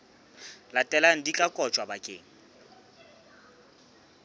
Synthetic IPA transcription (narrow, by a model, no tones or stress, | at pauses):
latʼɛlan̩dikʼakʼɔt͡ʃʼwabakʼeːŋ̩